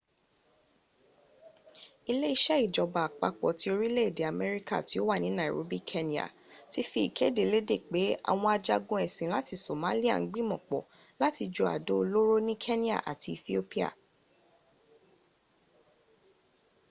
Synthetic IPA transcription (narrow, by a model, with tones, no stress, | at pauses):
i˧le˦i˧ʃɛ˦i˦˨d͡ʒɔ˨ba˨k͡pa˨˧k͡pɔ˨ti˧˦o˧ɾi˦le˦i˦˨de˨a˨mɛ˦ɾi˦ka̰˦˨ti˨˦o˦wa˦˨nĩ˨˦nã˨ɾo̰˦bi˦kʰe˦nĩ˦a̰˨ | ti˦fi˧˦i˨kʰe˦de˨le˨˦de˦˨k͡pe˨˦a̰˨w̃ɔ̃˧a˧d͡ʒa˧ɡũ˧ɛ˨sĩ˨la˦ti˧so˨mã˦li˦a̰˦˨ŋ̩˦ɡ͡bĩ˦mɔ̃˨k͡pɔ̰˨ | la˦ti˧d͡ʒo˧a̰˨do˦o˧lo˦ɾo˦nĩ˦kʰe˦nĩ˦a̰˦˨ʔa̰˨ti˧i˧θi˦o˦pi˦a̰˦˨